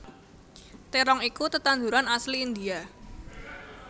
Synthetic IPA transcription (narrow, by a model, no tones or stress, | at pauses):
t̪eɾɔŋikut̪ət̪and̪uɾanasliːnd̪ia